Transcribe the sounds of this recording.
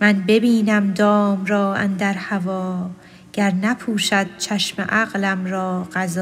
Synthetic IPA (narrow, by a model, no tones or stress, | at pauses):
mænbe̞biːnæmd̪ɒːmɾɒːæ̰nd̪æɾhævɒː | ɡ̥æɾnæpʰuːʃæd̪̥̚t͡ʃʰæʃmḛʔæɣlæmɾɒːɢæzɒː